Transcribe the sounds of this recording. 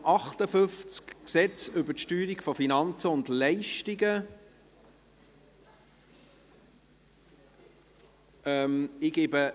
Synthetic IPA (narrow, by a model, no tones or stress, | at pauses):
ʔɑχtəfʏft͡skksɛt͡sʏbətʃtyːɾikfɔfinɑnt͡səʊndlɛɪʃtiɡə | ɛmɪɡ̥eːbə